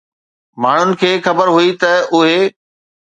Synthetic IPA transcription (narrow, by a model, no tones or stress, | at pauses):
maːɳ̤ʊnɪ̆kʰeːxɐbəɾɦʊit̪ɐʊɦe